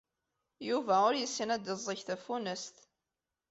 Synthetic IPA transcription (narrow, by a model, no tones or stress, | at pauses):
juvæʊɾjəsːinæd̪əzˤːəçθæfunəst̪